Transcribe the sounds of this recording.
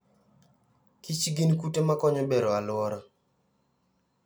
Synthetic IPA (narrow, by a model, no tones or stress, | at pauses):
kit͡ʃɡɪnkutemakɔɲɔbeɾɔalwɔɾɔ